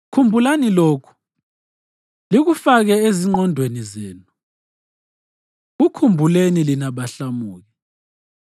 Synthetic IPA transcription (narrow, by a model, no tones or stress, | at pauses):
kʰumbʱulaniloːkʰu̥ | liɣufaɣɛeziŋ͡ǃɔndʱwenizɛːnu | ɣukʰumbʱulenilinaβaɬamuːɣɛ